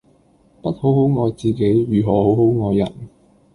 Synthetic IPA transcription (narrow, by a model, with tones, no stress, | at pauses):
pɐ˥t̚ho˨˥who˨˥wŋɔː˨˧jt͡siː˨ke˨˥jɥyː˨ɦɔː˨˧ho˨˥who˨˥wŋɔː˨˧jːɐ̰˨˩n